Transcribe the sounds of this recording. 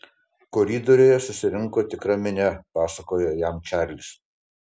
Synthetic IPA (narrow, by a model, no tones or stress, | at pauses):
kɔɾʲiːd̪oɾʲoːjɛsʊsʲɪɾʲɪŋkoːt̪ʲɪkɾɐmʲɪnʲɛpɑːsɐkoːjojæmt͡ʃʲæˑɾʲlʲɪs